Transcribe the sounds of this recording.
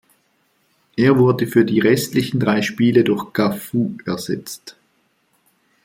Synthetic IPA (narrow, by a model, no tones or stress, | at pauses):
ʔeːɐvʊɐdəfyːɐdiːʁɛstlɪçn̩dʁaɪʃpiːlədʊɐxɡ̥afuːɛɐz̥ɛ̰t͡st